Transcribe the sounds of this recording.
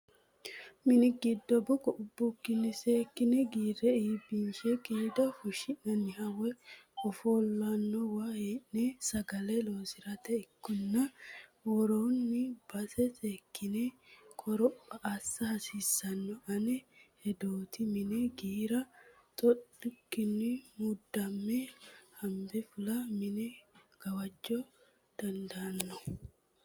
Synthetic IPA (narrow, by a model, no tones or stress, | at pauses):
mɪnɪɡɪd̪ːɔbʊkɔʊbːʊkːɪnːɪse̞ːkːɪnɛɡiːrɾɛiːbinsɛkʼiːd̪ɐfʊʃɪnːɐnːɪhɐwɛʊfoːlːɐnːɔwaheːnnɛsɐɡɐlɛlo̞ːsɪɾɐt̪ɛɪkːɔnːɐwɔɾoːnːɪbɐsɛseːkːɪnɛkʼɔɾɔpːɐʔasːɐhɐsiːsːɐnːɔɐnɛhɛd̪oːt̪ɪmɪnɛɡiːɾɐ | t̪ʼɔɗʊkːɪnːɪmud̪ːɐmːehɐmbɛfʊlɐmɪnɛ | ɡ̥ɐwɐd͡ʒːoː | d̪̥ɐnd̪ɐːnːɔ